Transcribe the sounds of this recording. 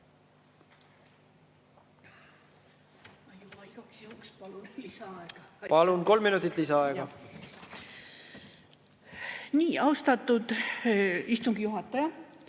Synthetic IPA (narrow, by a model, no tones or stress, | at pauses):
ɑjub̥ɑiɡ̥ɑksjukspɑlulisɑɑeɡ̥ɑpɑlunko̞lmːinut̪ːˑit̪lisɑɑeɡɑ | niːɑwst̪ɑt̪ːˑud̪̥ | ist̪uŋɡ̥ijuɦɑt̪ːˑɑjɑ